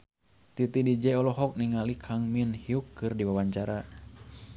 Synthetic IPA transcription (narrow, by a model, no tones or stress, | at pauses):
t̪it̪idid͡ʒɛɔlɔɦɔk̚niŋalikʰaŋminhiukːɨrdiwawaɲt͡ʃaɾa